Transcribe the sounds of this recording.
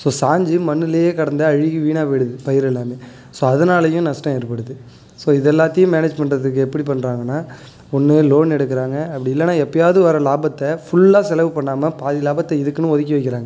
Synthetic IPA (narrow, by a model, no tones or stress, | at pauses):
soːsaːɲd͡ʒimɐnːɯlɐjeːkɐɽɐnd̪ɯɐɻɪɣɯʋiːnaːpɛɽɯðɯpɐjɪɾɛlːaːmeː | soːɐðɐnaːlɐjʊ̃nɐʂʈɐ̃ɛɾɯpːɐɽɯðɯ | soːɪðɛlːaːt̪ːɐjʊ̃meːneːd͡ʒmɛɳɖɾɐðɯkːɯɛpːɐɽipɐɳːɾaːŋɡɐnːaː | ɔnːɯloːnɛɽɯkːɪɾaːŋɡɐɐpːɐɽɪɪlːɐnaːɛpːɐjaːʋðɯʋɐɾɐlaːbɐt̪ːɐfʊɭːaːsɛlɐʋɯpɐɳːaːmɐpaːðɪlaːbɐt̪ːɐɪðɯkːɯnɯ̃ɔðɪk̬ʲːɐʋɐɪkːɪɾaːŋɡɐ